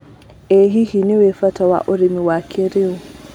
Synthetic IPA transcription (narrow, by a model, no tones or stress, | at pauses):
eɦihiniwefatawa̰ʔʊɾimiwakʰeɾiu